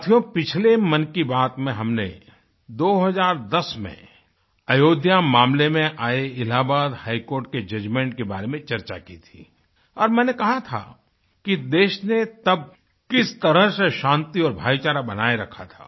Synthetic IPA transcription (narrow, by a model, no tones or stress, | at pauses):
t̪ʰijõpɪt͡ʃʰlemɐnkibaːt̪mẽɦɐmnḛ | d̪oːɦɐzaːɾd̪ɐsmḛ̃ | ɐjoːd̪ʱjamãːmlemẽʔaːeɪlaːbaːd̪haːikoːɾʈ̚ked͡ʒɐd͡ʒmẽːɳʈkeba̰ːɾemẽt͡ʃɐɾt͡ʃa̰kit̪ʰḭː | ɔːɾmɛ̃ːnekɐɦat̪ʰa̰ː | kid̪eːʃnet̪ɐb̚ | kɪst̪ɐɾəɦseʃãːnt̪iɔːɾbʱaːit͡ʃaːɾabɐnaːeɾɐkʰat̪ʰa̰ː